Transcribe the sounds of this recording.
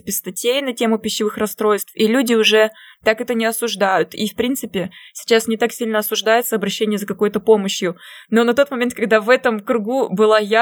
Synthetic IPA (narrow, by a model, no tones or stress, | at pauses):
pʲɪst̪ɐtʲejnɐtʲe̞mʊpʲɪɕːɪvɨxrɐst̪ɾo̞jst̪filʲudʲɪʊʐɛt̪akɛt̪ənʲɪɐsʊʐd̪ajʊt̪ifpɾʲinsɨpʲɪsʲɪ̥t͡ɕasnʲɪt̪aksʲilʲnəɐsʊʐd̪ajɪt̪səɐbɾɐɕːenʲɪjəzəkɐko̞jʊt̪əpo̞məɕjʊno̞nɐt̪o̞t̪mɐmʲet̪̚kɐɡ̚d̪avɛt̪əmkɾʊɡubɨlˠaja